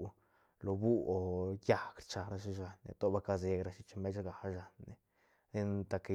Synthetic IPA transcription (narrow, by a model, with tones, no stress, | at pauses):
lo˨bu˦o˨ja˦kɾt͡ʃa˨ɾa˧ʃ̬i˦ʒa˨nːḛ˨t̪o˦ba˦ka˧ze˧ɡɾa˧ʃi˦t͡ʃmbe˦t͡ʃɡa˨˦ʒa˨nːe˨ | d̪i˦nt̪a˧ke˧